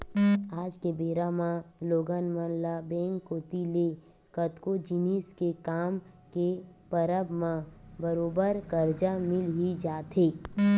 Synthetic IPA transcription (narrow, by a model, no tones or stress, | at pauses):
aːd͡ʒkebeːɾamãloːɡənmənlabẽːŋkːoːt̪ile | kət̪kod͡ʒiniːskekaːm | kepəɾəbmãbəɾoːbəɾkəɾd͡ʒamɪlɦid͡ʒaːt̪ɦeː